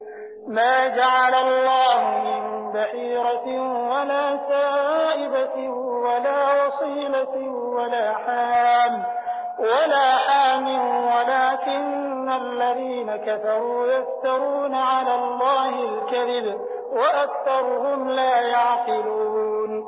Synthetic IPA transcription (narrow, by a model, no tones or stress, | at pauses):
maːd͡ʒaʕalalˤːɑːhmɪnbaħiːɾˤɑwalaːsaːʔɪbat̪ɪh | walaːwɑsˤiːlat̪ɪ | walaːħaːm | walaːħaːmɪlwalaːkɪnː | alːaðiːnakafɑɾˤuːjaft̪ɑɾuːnaʕalaːlˤːɑːhɪlkaðɪb | waʔakθɑɾˤʊhʊmlaːjaʕqɪluːn